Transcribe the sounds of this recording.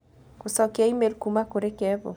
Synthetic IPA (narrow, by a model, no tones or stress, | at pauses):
kosɔkaimelkumakoɾekɛbɔ̰